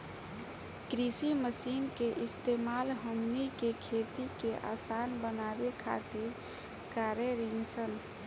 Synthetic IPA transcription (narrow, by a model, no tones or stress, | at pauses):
kɾisiməsinkeʔɪst̪emalɦəmnikekʰet̪ikeʔa̰sanbənabekʰa̰t̪iɾ | kaɾeɾinsən